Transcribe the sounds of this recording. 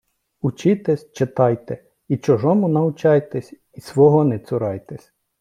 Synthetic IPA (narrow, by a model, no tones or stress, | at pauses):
ʊt͡ʃɪt̪ɛsʲt͡ʃet̪ɑjt̪ɛ | it͡ʃɔʒɔmʊnɐʊt͡ʃɑjt̪ɛsʲ | isʋɔɦɔnɛsʲʊɾɑjt̪ɛsʲ